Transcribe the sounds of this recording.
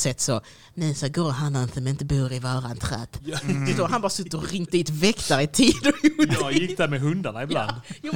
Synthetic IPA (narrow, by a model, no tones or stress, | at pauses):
sɛt̪ːsɔ | nɛsaɡoːɦanːansɔmɪnt̪əbuːɾɪvɑːɾant̪ʰɾɛ̰ːt̪d̪ɛd̪ɔɦanbɑːɾasɵt̪ːəɾɔɾɪŋt̪̚d̪iːt̪vɛkt̪aɾɪt̪ʰiːd̪ɔjʊjɪk̚ːd̪æɾmɛɦɵnd̪aɳaɪbla̰nd̪